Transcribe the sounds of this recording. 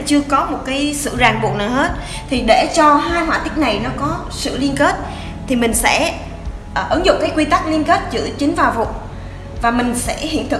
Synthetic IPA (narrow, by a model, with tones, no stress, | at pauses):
t͡ɕɨ˧əkɔ˨˦mo˨˩t̚kaː˨˦jsɨ̰˧˨zaː˨˩ŋɓu˨˩k̚na˨˩whe˦˥t̚ | t̪ʰi˨˩ɗe˧˩t͡ɕɔ˧haː˧jɦwaː˧˩t̪ï˦˥k̟̚na˨˩jnɔ˨˦kɔ˨˦ | sɨ̰˧˨li˧ənke˦˥t̚ | t̪ʰi˨˩mï˨˩ŋ̟sɛ̰˧˥ | ʔːʔɨ˨˦ŋzʊ̰˧˨ŋ͡mkaː˨˦jkwi˧t̪a˦˥k̚li˧ənke˦˥t̚zɨ̰˧˥ət͡ɕï˨˦ŋ̟vaː˨˩vṵ˧˨ŋ͡m | vaː˨˩mï˨˩ŋ̟sɛ̰˧˥hḭ˧˨ənt̪ʰɨ˨˩